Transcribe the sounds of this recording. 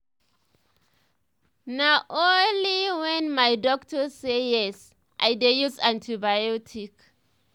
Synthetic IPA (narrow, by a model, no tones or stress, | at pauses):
naʔoliwɛnmajdɔk̚tɔsejɛs | ʔa̰jdejusãntʰibajɔtʰik